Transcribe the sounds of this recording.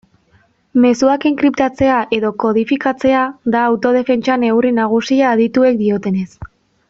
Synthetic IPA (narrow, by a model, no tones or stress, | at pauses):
me̞suakiŋkɾipt̪at͡se̞aʔe̞ðo̞ko̞ðifikat͡se̞aðaːwt̪o̞ð̞e̞fe̞nt͡ʃane̞wrinaɣ̞usiaːðit̪ue̞k̚d̪io̞t̪e̞ne̞s